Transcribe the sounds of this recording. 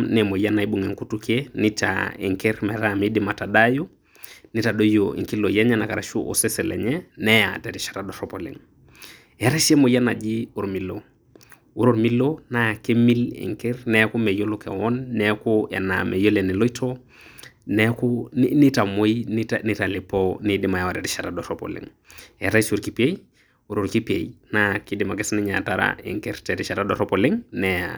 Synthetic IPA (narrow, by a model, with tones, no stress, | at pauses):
nɛ˨mo˨ja˦na˨i˦bu˨ŋɛ˨ŋku˦tu˦ke˦nɪ˦ta̰ɛ̰˨ŋkɛ˦ɾmɛ˨ɾa˦˨mi˦dɪ˨ma˨ta˨da˦ju˦ | nɪ˦ta˨ɗo˦joḭ˨ŋki˦lo˨ja˦ɲa˦na˨ka˨ɾa˨ʃu˦ʔɔ̰˨sɛ˦sɛ˨lɛ̰˨ɲɛ˦nɛ˦ja̰˨tɛ˨ɾi˨ʃḁ˨ɾa˨dɔ˨ɾɔ˦pɔlɛ̰˨ŋ | ja˨ɾɛ˦ʃɛ˦mo˨ja˦na˨d͡ʒi˦u˨ɾmi˨lo˨ | u˦ɾo˨ɾmi˦lo˦na˦ja˨ke˦mi˦lɛ̰˨ŋkɛ˦ɾnɛku˦me˨jo˦lu˦kɛ̰˨wɔ˦nːɛku˦ɛ̰˨na̰˨me˨jo˦le˨ni˨lo˦itʰo | nɛ˦kuni˦ta˨mo˦intni˦ta˨lɪ˨ponidi˨ma˨jɛ˨wa˨ɾɛ˨ti˦ʃa˨tado˨ɾopɔ̰˨lḭ˨ŋ | ja˨ɾa˦su˨ɾki˨pi˦e˦j | uɾo˨ɾki˦pḛ˨jna˦ki˦di˨ma˨kɛ˦sni˦ɲa˨taɾa̰ḭ˨ŋkɛ˦ɾtɛ˨ti˦ʃa˨tado˨ɾɔpo˨lɪ˦ŋnɛ˨a̰